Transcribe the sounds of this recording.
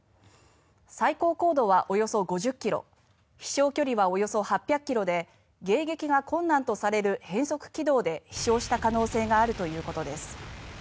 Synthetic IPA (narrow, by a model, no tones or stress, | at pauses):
saiko̞ːko̞ːd̪o̞βaʔo̞jo̞so̞ɡo̞ʑɨkʲːiɾo̞̰ | çi̥ɕo̞ːkʲo̞ɾʲiβao̞jo̞so̞hapʲːjakːʲiɾo̞d̪e̞ | ɡe̞ːɡe̞kʲiɡakõ̞nːãnt̪o̞saɾe̞ɾɯ̟hẽ̞ɰ̃so̞kɯ̟̥kʲid̪o̞ːd̪e̞çi̥ɕo̞ːɕi̥t̪akano̞ːse̞ːɡaːɾɯ̟t̪o̞jɯ̟ːko̞t̪o̞d̪e̞sɨ̥